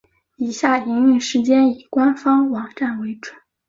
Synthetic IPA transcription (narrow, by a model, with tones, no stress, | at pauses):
i˨˩ɕja˥˩i˧˥ŋy˥˩ʂɻ̩˧˥t͡ɕjɛ˥ni˨˩kwa˥nfɑ˥ŋwɑ˨˩ŋʈ͡ʂa˥˩nwe˧˥ɪʈ͡ʂwə˨˩˦n